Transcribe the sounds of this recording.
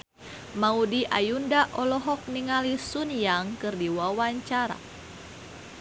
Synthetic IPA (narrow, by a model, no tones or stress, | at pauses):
maudiʔajundaʔɔlɔɦɔk̚niŋalisunjaŋkɨrdiwawaɲt͡ʃaɾa̰